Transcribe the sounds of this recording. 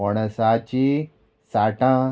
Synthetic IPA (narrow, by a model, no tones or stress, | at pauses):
əɽ̃sat͡ɕi | saʈã